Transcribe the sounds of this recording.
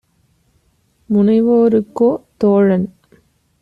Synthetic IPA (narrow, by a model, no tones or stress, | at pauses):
mʊnɐɪʋoːɾɯkːoːt̪oːɻɐn